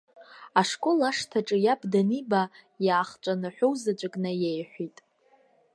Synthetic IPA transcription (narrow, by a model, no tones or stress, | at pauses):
aʂkʼolaʂtʰaʈ͡ʂʼɨjabdaniba | jaːχt͡ʃʷʼanɨħʷowzad͡ʒʷʼɨkʼnajejħʷitʼ